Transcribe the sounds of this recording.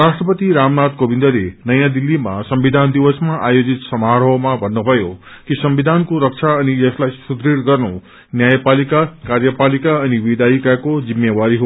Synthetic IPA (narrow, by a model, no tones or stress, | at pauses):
rasʈrʌpʌt̪iɾamnad̪kobʱind̪ʌlenʌjãd̪ilːima̰sʌmbid̪ʱand̪iwʌsmaʔajod͡zit̪sʌmaɾʌwmabʱʌnːubʱʌjokisʌmbid̪ʱankoɾʌkt͡sʰaʌnijʌslajsud̪ɾiɾɡʌrnu | njajpalikakarjʌpalikaʌniwid̪aikakod͡zimːjewaɾiɦo